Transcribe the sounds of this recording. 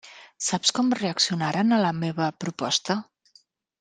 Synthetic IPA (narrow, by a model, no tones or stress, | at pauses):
sapskɔmreəksiunaɾənələmeβəpɾupɔst̪ə